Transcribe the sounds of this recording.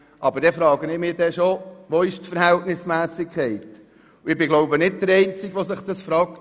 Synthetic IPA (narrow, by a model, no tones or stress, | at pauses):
ʔɑbəɾd̥ɛfɾɑːɡənɪmɪːɾd̥ɛʃoʋoɪʃtfəɾhæltnɪsmæːsɪkʰɛɪt̪ | ʊɪbɪɡloʊbənɪdd̥̪əɾɛɪnt͡sɪɡʋosəχd̥ɑsfɾɑːkt